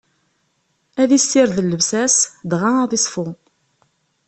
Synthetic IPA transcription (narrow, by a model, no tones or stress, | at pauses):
æðisːɪɾðəlːəvsæsd̪ʁaðˤisˤfʊ